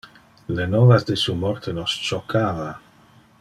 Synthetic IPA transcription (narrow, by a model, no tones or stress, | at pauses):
lenɔvazd̪esumɔɾt̪ʰenost͡ʃokʰava